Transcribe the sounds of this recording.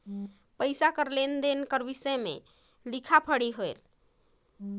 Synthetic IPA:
pəjsakəɾlend̪enkəɾbisəjmḛ | likʰapʰəɽiɦoel

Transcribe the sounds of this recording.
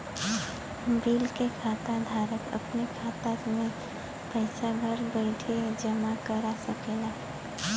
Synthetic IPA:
biːlkekʰaːt̪ad̪ʱaːɾəkə̰pnekʰaːt̪aɾmẽ | pəjɪsaɡʱəɾbəɪʈʰed͡ʒəmakəɾasəkeːɡaː

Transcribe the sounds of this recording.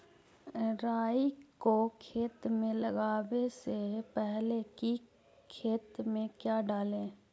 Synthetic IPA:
ɾaːikokʰeːt̪mẽləɡaːwesepɛɦleki | kʰeːt̪mẽkjaːɖaːlẽː

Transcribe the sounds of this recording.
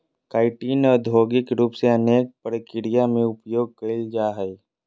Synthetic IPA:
kaːɪʈiːnɔːɾd̪ʱoːɡɪkɾuːpseɐneːk̚pəɾəkɪɾijamẽʊpjoːɡ̚kəid͡ʒaːɦɛi

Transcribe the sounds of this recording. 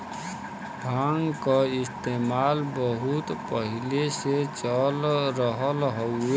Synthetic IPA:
bʱaŋɡkaɪst̪emalbəɦut̪pəɦileset͡ʃəlɾəɦəlɦoʊe

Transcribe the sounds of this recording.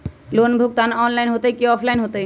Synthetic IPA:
lonbʱuk̚t̪anɔnlajnɦot̪ejkiɔpʰlajnɦot̪ej

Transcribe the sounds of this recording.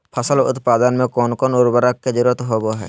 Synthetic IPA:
pʰɐsəlʊ̰t̪pad̪ənmekɔnkɔnuɾbəɾakːed͡ʒiɾot̪ɦobɔɦɛ

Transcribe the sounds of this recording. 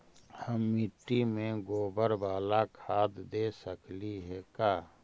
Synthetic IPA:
həmːiʈːimẽɡoːbəɾbaːlakʰaːd̪d̪eːsəkliɦɛkaː

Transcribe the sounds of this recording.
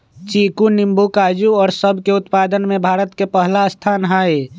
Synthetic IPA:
t͡ʃikunimbukad͡ʒuɔːɾsəbʱkeut̪pad̪ənmẽbʱaːɾət̪kepəɦlast̪ʰanɦae

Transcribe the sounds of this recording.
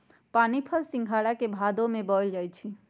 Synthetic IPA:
panipʰəlsĩŋɡʱaɽakebʱad̪omebɔld͡ʒajt͡ʃʰi

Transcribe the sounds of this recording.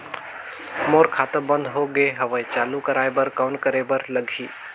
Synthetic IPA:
moːɾkʰaːt̪əbə̃nd̪ɦoɡeɦɐʋəet͡ʃaːlukɐɾaːebɐɾkaːʊnkəɾebəɾlɐɡʱiː

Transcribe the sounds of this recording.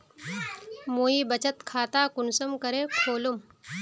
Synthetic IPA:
moːiːbət͡ɕət̪kʰaːt̪akuɳsəmkəɾekʰoːlum

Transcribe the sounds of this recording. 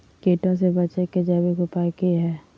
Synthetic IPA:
keːʈõsebɐt͡ʃeked͡ʒaːbikopaːkiɦɛː

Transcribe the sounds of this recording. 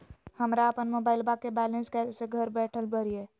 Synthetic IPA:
həmɾaəpənmobaɪlbakebɛlenskeseɡʱəɾbɛʈʰəlbəɾije

